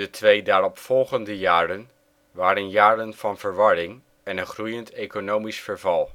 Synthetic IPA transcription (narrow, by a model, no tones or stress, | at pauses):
dətʰʋejdaːrɔpfɔlˠχəndəjaːrən | ʋaːɾənjaːrənv̥ɑnv̥əɹʋɑɹɪŋ | ɛnənχrujəntejkonowmisfəɹvɑlˠ